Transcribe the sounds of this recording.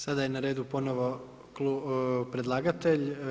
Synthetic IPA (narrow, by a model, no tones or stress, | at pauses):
sad̪ajenaɾeːd̪upo̞noʋo̞ | klupɾe̞d̪lˠaːɡat̪eʎ